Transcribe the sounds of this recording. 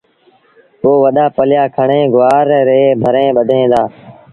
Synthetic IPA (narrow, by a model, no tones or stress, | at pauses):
oːʋəɗ̪aːpəljaːkʰəɳẽːɡʊʋaːɾɾeːbʱəɾẽːɓəd̪ʱẽːd̪aː